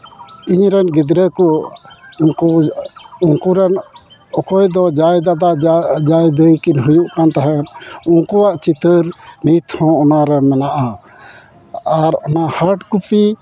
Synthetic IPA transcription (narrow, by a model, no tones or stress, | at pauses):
iɲɾɛnɡid̪ɾɛkɔ | unku | uŋkuɾɛn | ɔkɔjd̪ɔd͡ʒajd̪ad̪ad͡ʒajd̪əjkinɦujuʔkant̪aɦɛũŋkɔwaʔt͡ʃit̪əɾnit̪hɔ̃ɔnaɾɛmɛnaʔa | aɾɔnahaɾʈkupi